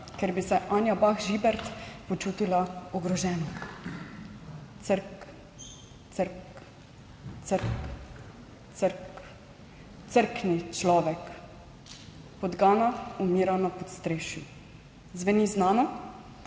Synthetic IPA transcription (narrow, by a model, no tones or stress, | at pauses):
kɛɾbisɛʔaːnjabaxʒibɛɾt̪pɔt͡ʃuːt̪ilaɔɡɾɔʒɛːnɔ | t̪səɾk | t͡s̪əɾk | t̪səɾk | t̪səɾk | t̪səɾknit͡ʃlɔːʋɛk | pɔd̪ɡaːnaumiːɾanɔpɔt̪st̪ɾeːʃju | zʋɛniznaːnɔ